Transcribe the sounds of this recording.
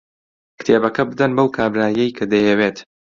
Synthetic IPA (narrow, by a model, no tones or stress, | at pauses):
kɨ̥t̪ʰeːbɐkɐbɨd̪ɐnbɐwkʰaːbɾaːjɛjkʰɐd̪ɐjɛweːt̪